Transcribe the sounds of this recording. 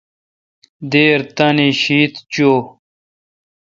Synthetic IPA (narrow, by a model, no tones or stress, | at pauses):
d̪eːɾt̪ɐniɕiːt̪t͡ɕoː